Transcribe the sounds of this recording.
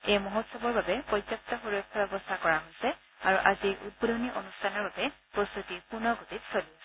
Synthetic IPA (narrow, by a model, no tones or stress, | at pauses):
ejmɔɦɔtsɔbɔɹbabɛpɔdzɔp̚tɔxuɹojkʰːɔbɛbɔstʰakɔɹaɦojsɛ | aɹuʔaziʔṵt̚bodʱoniʔonustʰanɔɹbabɛpostutipunɔɡotitsolis